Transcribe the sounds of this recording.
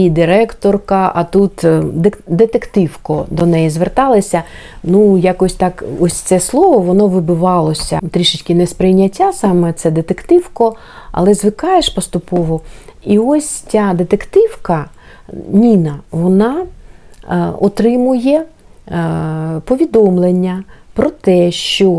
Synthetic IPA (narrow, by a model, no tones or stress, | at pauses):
id̪ɪɾɛkt̪ɔrkɐʔɐt̪ut̪d̪d̪et̪ekt̪ɪwkɔd̪ɔnɛjizʋert̪ɑlˠɐsʲɐ | nujakɔsʲt̪ɑkɔsʲt̪sɛslˠɔʋɔʋɔnɔʋɪbʊʋɑlˠɔsʲɐ̰t̪ɾʲiʃɪt͡ʃʲkɪnɛspɾɪjnʲːɐtʲːasɑmɛt̪sɛd̪et̪ekt̪ɪwkɔ | ɐ̰lˠɛzʋɪkɑjeʃpɔst̪ʊpɔʋɔiɔsʲt͡sʲad̪et̪ekt̪ɪwkɐ | nʲinɐʋɔnɑ | ɔt̪ɾɪmʊjɛ | pɔʋʲid̪ɔmlˠenʲːɐpɾɔt̪ɛʃt͡ʃɔ